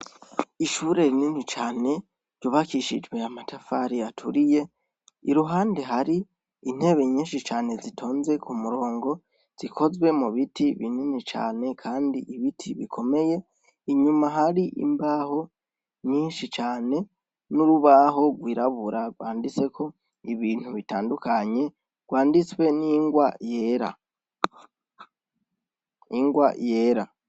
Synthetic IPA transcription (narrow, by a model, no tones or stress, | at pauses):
iʃuːɾe̞ɾininit͡ʃaːne̞ | ɾɟuβakiʃḭd͡ʒwe̞amatafaɾiatʰṵɾije̞ | iɾuɦaːnde̞ɦaɾi | in̥he̞βe̞ɲiːnʃit͡ʃaːne̞zitʰo̞ːnze̞kʰumuɾo̞ːŋɡo̞ | z̥ikʰo̞zɡwe̞muβitʰiβininit͡ʃa̰ːne̞kʰaːndiʔiβitʰiβikʰo̞me̞je̞ | iɲumaɦaɾiʔḭmbaho̞ | ɲiːnʃit͡ʃaːne̞ | nuɾuβaɦo̞ɡwiɾaβuɾaɡwaːndit͡se̞kʰo̞ | iβiːn̥huβitaːndukʰaɲe̞ | ɡ̥waːndit͡swe̞niŋɡwajeɾa̰ | iŋɡwaje̞ːɾa